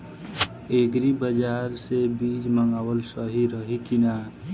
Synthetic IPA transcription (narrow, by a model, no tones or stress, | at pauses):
eɡɾibəd͡ʒaːɾsebiːd͡ʒməŋɡaːwəlsəɦiɾəɦikinaː